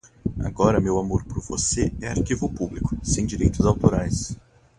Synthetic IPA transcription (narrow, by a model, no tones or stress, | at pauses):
a̰ɡɔɾɐmewamoɾpɾʊɾvo̰seɛaɾkivʊpublikʊ̥sẽj̃d͡ʒiɾejt̪ʊzawt̪oɾajs